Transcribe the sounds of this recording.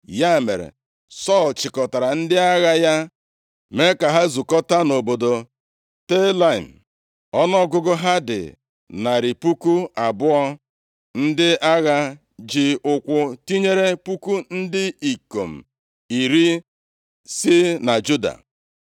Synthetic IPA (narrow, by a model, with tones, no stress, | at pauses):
ja˦˨me˨ɾḛ˨ | sɔ˦˨lt͡ʃɪ˨kɔ˨ta˨ɾa˨n̩˦dɪ˦a˦ɣa˦ja˦ | me˦ka˨ɦa˦zu˨kɔ˦ta˦no˨bo˨do˨ | te˦la˦˨m̩˨ | ɔ˦nɔ˦ɡʊ˦ɡʊ˦ɦa˦dɪ̰˨ | na˨ɾi˨pu˦ku˦a˨bʊ˦ɔ˦ | n̩˦dɪ˦a˦ɣa˦ | d͡ʒɪ˦ʊ˦kʷʊ˦ti˦ɲe˦ɾe˦pu˦ku˦n̩˦dɪ˦i˨ko˨m̩˨ | i˨ɾi˦ | sɪ˦na˨d͡ʒu˦da̰˨